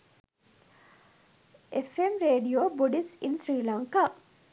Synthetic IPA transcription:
ʔefemɾeːɖioːboɖisinsɾiːlaŋka

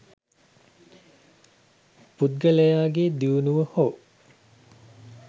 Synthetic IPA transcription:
put̪̚ɡəlejaːɡed̪iunuʋəhoː

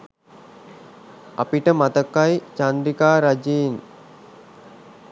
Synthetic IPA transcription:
apiʈəmat̪əkːajt͡ʃand̪ɾikaːɾad͡ʒeːn

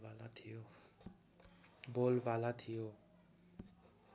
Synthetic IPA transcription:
balat̪ʰijo | bolbalat̪ʰijo

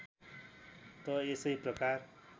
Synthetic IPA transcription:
t̪ʌesʌjprʌkar

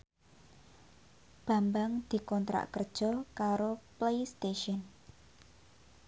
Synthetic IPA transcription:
b̥ä̤mbaŋd̪̥i̤kɔnt̪ɾa̰ʔkərd̥ʒ̥ɔ̤kaɾoplejst̪eʃɔn

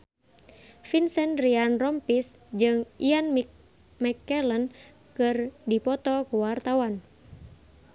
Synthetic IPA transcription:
finsɛnrianrɔmpis | d͡ʒɨŋian | mɛkɛlən | kɨrdipɔt̪ɔkuwart̪awan

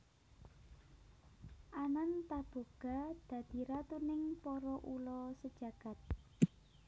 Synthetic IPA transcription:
ʔanant̪ab̥o̤ɡ̥a̤d̪̥ä̤d̪̥i̤ɾat̪unɪŋpɔɾɔʔulɔsəd̥ʒ̥ä̤ɡ̥a̤t̪̚

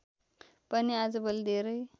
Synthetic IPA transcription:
pəniad͡zbəld̪eɾəj

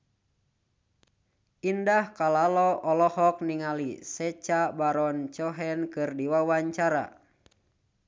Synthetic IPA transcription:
indahkalalɔɔlɔhɔk̚niŋalḭsɛt͡ʃabaɾɔnt͡ʃɔɦɛnkɨrdiwawaɲt͡ʃaɾa̰

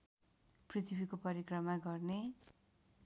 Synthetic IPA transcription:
prit̪ʰibikopʌɾikrʌmaɡʌrne

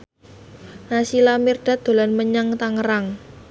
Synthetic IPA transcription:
nasilamɪrd̥a̤d̪̥o̤lanməɲaŋt̪aŋəɾaŋ

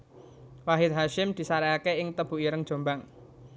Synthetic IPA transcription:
waɦɪt̪̚ɦaʃɪmd̪̥i̤saɾɛakeɪŋt̪əb̥ṳʔiɾəŋd̥ʒ̥o̤mbaŋ

